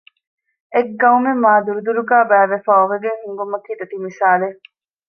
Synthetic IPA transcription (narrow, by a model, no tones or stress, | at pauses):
ekɡɐumemːaːd̪uɾud̪uɾuɡaːbæːʋefaːoʋeɡeŋhuŋɡumɐkiːd̪ɐt̪imisaːle